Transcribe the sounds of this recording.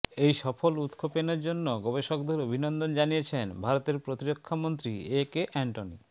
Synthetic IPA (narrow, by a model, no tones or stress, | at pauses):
ejʃɔfolut̪kʰopeneɾd͡ʑonːoɡɔbeʃokd̪ʱeɾobʱinond̪ond͡ʑanijet͡ɕʰenbʱaɾot̪eɾpɾot̪iɾokʰːamont̪ɾḭekeʔɛɳʈonḭ